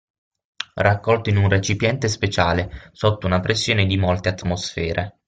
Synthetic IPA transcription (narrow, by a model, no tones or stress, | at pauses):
rakːɔlt̪oinunret͡ʃipjɛnt̪espet͡ʃaːlesot̪ːounapɾʔesːjoːned̪imolt̪eat̪ːmosfɛːɾʔe